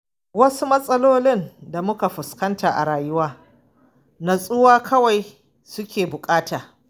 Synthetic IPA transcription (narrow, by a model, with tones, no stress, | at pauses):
wɐ˦su˦mɐ˦sʼɐ˦loː˦lɪ˦nda˨mʊ˦ka˨ɸʊ˨skɐ˦ntaː˨ʔa̰˨ɽaː˨jʊ˦waː˦ | na˨sʼʊ˦waː˦kʰɐ˦wa˨j | sʊ˦kʲeː˨bʊ˨kʼaː˦taː˨